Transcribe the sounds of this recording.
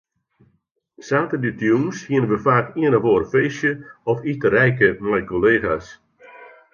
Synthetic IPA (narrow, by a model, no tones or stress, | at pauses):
saːtəditjumshiənəʋəfaːkiənəʋoːrfeːsjəɔfitəɾɛjkəmɛjkoleːxas